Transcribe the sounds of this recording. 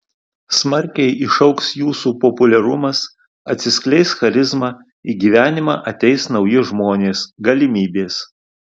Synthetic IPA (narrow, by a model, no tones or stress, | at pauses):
smɐɾʲkʲɛɪʔɪʃɒʊksjuːsuːpɔpʊlʲɛɾʊmɐs | ɐt̪ʲsʲɪsʲklʲɛɪsxɐɾʲɪzmɑː | iɡʲiːʋʲæːnʲɪmɑːʔɐt̪ʲɛɪsnɒʊjɪʒmoːnʲeːsɡɐlʲɪmʲiːbʲeːs